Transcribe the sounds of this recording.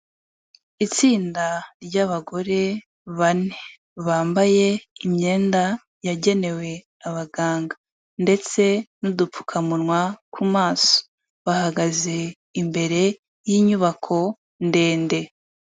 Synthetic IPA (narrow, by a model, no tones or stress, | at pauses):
it͡siːndaɾɟaβaɡo̞ɾe̞ | βanee | βaːmbaje̞imɲe̞ːnda | jaɟe̞ne̞we̞ | aβaɡaːŋɡa | nde̞t͡se̞nudupp͡fu̥kʰamunŋwakʰumaːso̥ | βahaɡaze̞ | imbe̞ɾe̞ | jiːɲuβakʰo̞ | nde̞ːnde̞